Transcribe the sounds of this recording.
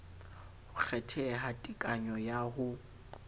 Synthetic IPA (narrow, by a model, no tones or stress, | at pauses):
hʊk͡xʰɛtʰɛɦatʼikʼaɲɔjahʊ